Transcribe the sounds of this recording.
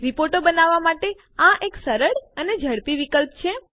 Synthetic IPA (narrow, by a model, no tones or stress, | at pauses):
ɾipoɾʈobənaʋːamaʈe | ãʔeksəɾəɽəned͡ʒʱəɽpiʋikəlp̚t͡ʃʰe